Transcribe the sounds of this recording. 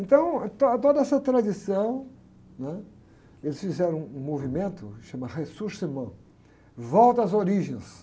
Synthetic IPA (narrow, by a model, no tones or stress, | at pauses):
ẽnt̪ɐ̃w̃t̪ot̪od̪ɐɛsɐt̪ɾad̪isɐ̃w̃ | nɛ | elɪsfizɛɾɐ̃w̃ũmovimẽnt̪ʊʃɐ̃mɐʁesuɾsemɐ̃ | vɔwt̪ɐɐzoɾiʒẽj̃s